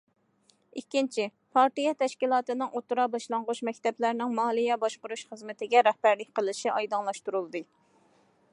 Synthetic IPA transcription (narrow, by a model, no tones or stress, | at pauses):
ikʲːint͡ʃʰi | pʰɑɾt̪ijɛt̪ʰɛʃkʲilˠɑːt̪ɨnɨŋʔot̪ɾɑbɑʃlˠɑŋʁʊʃmɛkʲt̪ɛplæɾnɪŋmɑlˠijɛbɑʃqʊɾuʃχəzmɪt̪ʰɪɡʲɛɾɛhbæɾlɪk̚ʲqəlˠɨʃiʔɑjd̪ɑŋlˠɑʃt̪uɾulˠd̪ɨ